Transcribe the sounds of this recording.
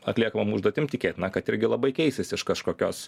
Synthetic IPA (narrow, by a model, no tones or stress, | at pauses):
ɐt̪ʲlʲiɛkɐmɐmʊʒdoːt̪ʲɪmt̪ʲɪkʲeːt̪ʲnɐkɐt̪ɪɾʲɡʲɪlˠɐbɐɪkʲɛɪsʲɪsʲɪʃkɐʃkoːkʲoːs